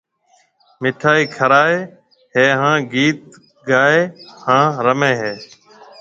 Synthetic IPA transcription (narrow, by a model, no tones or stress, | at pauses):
mɪʈʰaːiːkʰəɾaːeː | ɦeːɦãːɡiːt̪̚ | ɡaːeːhãːɾəmẽːɦeː